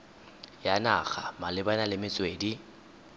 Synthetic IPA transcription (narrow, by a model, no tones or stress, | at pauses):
janaɣamalɪbanalɪmɪt͡sʼweːdi